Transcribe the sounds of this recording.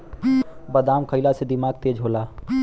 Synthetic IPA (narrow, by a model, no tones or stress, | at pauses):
bəd̪amkʰəɪlased̪imaːɡ̚t̪eːd͡ʒɦola